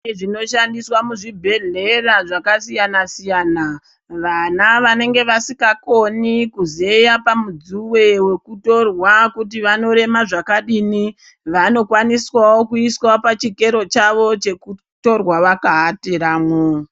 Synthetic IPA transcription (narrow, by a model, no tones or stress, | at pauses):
ʐino̞ʃandiswamuʐibʱe̞ɮe̞raʐakasijanasijana | ʋanaʋane̞ŋɡe̞ʋasikako̞nikuze̞japamud͡zuwe̞we̞kuto̞rwakut̬iʋano̞ɾe̞maʐakaɗini | ʋano̞kwaniswawokuiswapat͡ʃike̞ɾo̞t͡ʃaʋo̞t͡ʃe̞ku | to̞rwaʋakaɦateɾaːmwe